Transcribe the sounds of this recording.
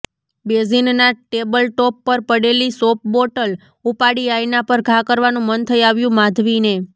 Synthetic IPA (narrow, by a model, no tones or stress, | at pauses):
bezinnaʈebəlʈɔpːəɾpəɽelisop̚boʈəl | upaɽiajnapəɾɡʱakəɾʋanũmənt̪ʰəiaʋjũmãd̪ʱʋine